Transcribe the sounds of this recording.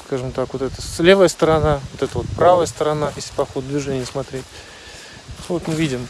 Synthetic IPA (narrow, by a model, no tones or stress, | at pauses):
skaʐɨmt̪akvo̞t̪ɛt̪əslʲe̞vəjəst̪əɾɐnavot̪ɛt̪əvo̞t̪̚pɾavəjəst̪əɾɐnaʔɪsʲpɐxod̪̚d̪vʲɪʐɛnʲɪjəsmɐt̪ɾʲetʲ | vo̞t̪mɨvʲidʲɪm